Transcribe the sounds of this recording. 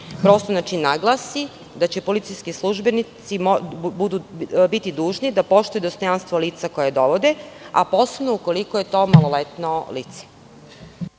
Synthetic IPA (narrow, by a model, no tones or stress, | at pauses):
pɾoːst̪onat͡ʃinːaɡlˠasi | d̪at͡ɕepo̞lit̪sijskislˠuʒbenisimobud̪ubit̪id̪uːʒnid̪apo̞ʃt̪ojud̪ost̪o̞janst̪ʋoliːt̪sako̞jad̪o̞ʋo̞d̪ea̰po̞ːse̞bnouko̞likoje̞t̪o̞malolet̪noliːt̪se̥